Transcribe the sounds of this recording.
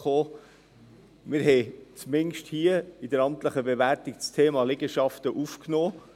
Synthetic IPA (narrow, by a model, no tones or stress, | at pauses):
oː | mɪɾɦɛɪt͡smɪnʃthiːəidəɾɑmtləχəbevæɾtik̚t͡stʰeːmɑlɪɡəʃɑftəʔufknoː